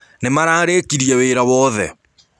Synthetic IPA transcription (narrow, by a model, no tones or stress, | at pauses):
nemaɾaːɾekiɾiɛweɾawɔðɛ